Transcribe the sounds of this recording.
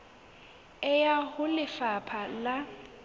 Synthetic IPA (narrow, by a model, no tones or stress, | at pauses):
ɛjahʊlɪfapʰala